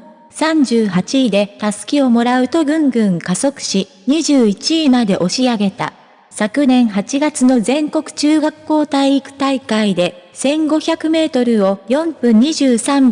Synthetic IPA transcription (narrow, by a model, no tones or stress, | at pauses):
sãɲ̟d͡ʑɨːɦat͡ɕiːd̪e̞t̪asɨ̥kʲio̞mo̞ɾaɯ̟t̪o̞ɡɯ̟̃ŋɡɯ̟̃ŋkaso̞kɯ̟̥ɕi | ɲ̟iʑɨːit͡ɕiːmad̪e̞ʔo̞ɕiaɡe̞t̪a̰ | sakɯ̟nẽ̞ɰ̃ɦat͡ɕiɡat͡sɨno̞zẽ̞ŋko̞kɯ̟̥t͡ɕɨːɡakːo̞ːt̪aiːkɯ̟̥t̪aikaid̪e̞sẽ̞ŋɡo̞çakɯ̟me̞ːt̪o̞ɾɯ̟o̞jõ̞mpɯ̟̃ɲ̟ːiʑɨːsãm